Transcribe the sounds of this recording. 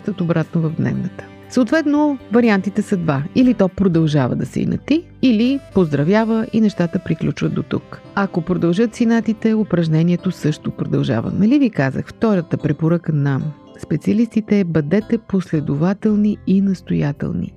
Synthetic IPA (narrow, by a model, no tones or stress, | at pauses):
t̪ət̪obɾat̪novɐvd̪nɛ̰vnət̪ə̥ | səːt̪vɛt̪novɐɾiant̪it̪ɛsɐd̪vailit̪ɔpɾod̪ɐlˠʒavə̰d̪ɐsɛ̰ḭnɐ̰t̪iː | lipozd̪ɾɐvʲjavəʔinɛʃt̪at̪əpɾiklʲut͡ʃvəd̪̚d̪ot̪ṵk | ɐkopɾod̪ɐlˠʒɤt̪sinat̪it̪ɛopɾɐʒnɛniɛt̪osɤʃt̪opɾod̪ɐlˠʒa̰və̰nɐlivikazə̰xft̪ɔɾət̪əpɾɛpoɾakənam | spɛt̪siəlist̪it̪ɛbɐd̪ɛt̪ɛposlɛd̪ovat̪ɛlˠniinɐst̪ojat̪ɛ̰lˠnḭ